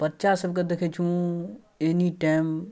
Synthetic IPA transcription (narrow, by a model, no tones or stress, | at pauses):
pətt͡ʃasəbked̪ekʰet͡ʃʰũ | eniʈam